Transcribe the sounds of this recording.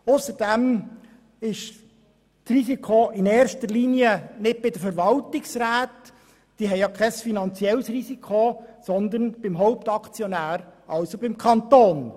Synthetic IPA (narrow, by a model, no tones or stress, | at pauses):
ʊsəɾd̥ɛm | ɪʃ | trisikʰoɪneːɾʃtəɾliniənɪd̚b̥ɪd̪əfəɾʋɑltɪksɾæːt̪ | d̥iəɦɛɪjɑkʰɛsfinɑnt͡siɛləsrisikʰosɔnd̪ənb̥ɪmɦɔʊp̚t̪ɑkt͡sjonæːɾɑwsobɪmkʰɑnt̪oːn